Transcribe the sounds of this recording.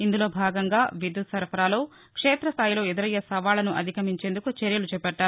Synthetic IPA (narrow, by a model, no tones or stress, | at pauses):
ind̪ulo̞ːbʱaːɡɐŋɡaːʋid̪usɐɾpʰɐɾaːlo̞ː | kʂeːt̪ɾɐst̪ʰaːjlo̞ːed̪iɾɐjːɐsɐʋaːlɐnuʔɐ̰d̪ʱikɐmiɲt͡ʃe̞ːnd̪ukut͡ʃeɾjɐlut͡ʃɛːpɛʈːaːɾu